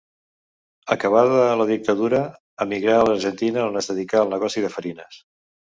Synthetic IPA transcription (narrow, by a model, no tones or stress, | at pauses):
əkəβ̞aðələðik̚t̪əðuɾə | əmiɣɾaələɾʒənt̪inəlnəzðəðikaəlˠnəɣɔsiðəfəɾinəs